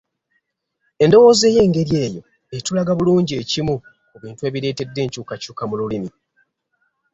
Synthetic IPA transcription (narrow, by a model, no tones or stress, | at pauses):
e̞ndo̞wo̞ːze̞je̞ːŋɡe̞ɾje̞ːjo̞̰ | e̞tulaɡaβuluːɲɟie̞cimu | uβiːntue̞ːβiɾe̞ːte̞dːe̞ːɲcuːkacuːkamululimi